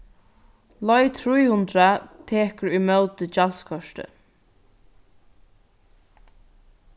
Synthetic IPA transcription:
lɔjt̪ʰɾujhʊnt̪ɾat̪ʰeːkəɹimœlt̪əd͡ʒalskʰɔʃt̪ə̰

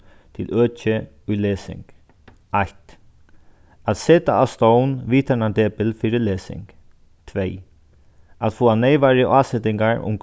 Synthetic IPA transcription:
t̪ʰɪlʔøːt͡ʃə | ʊjleːsɪ̰ŋk | ajt̪ | at̪sɛːt̪a̰ast̪ownʋiːt̪ʰanand̪ɛːpɪlfiːɾɪleːsɪ̰ŋk | t̪ʰʋej | at̪foːanɛjʋaɾəʔaːsɛt̪ɪŋkaɹʊ̰mk

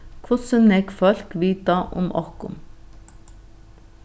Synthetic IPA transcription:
kʰʊsʉnɛɡfœlkʋiːt̪ɑʔʊ̰mʔɔ̰kʊ̰m

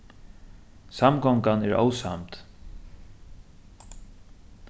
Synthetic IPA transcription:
samɡɔŋkanɛɹʔo̰wsa̰mt̪

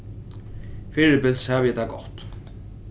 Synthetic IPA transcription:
fɪɾɪpɪlshævəjɛt̪ʰaːɡɔht̪

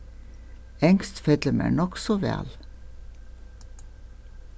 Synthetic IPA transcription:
ɛŋst̪fɛd̪ləmæ̰ːɳɔksɔʋæ̰ːl

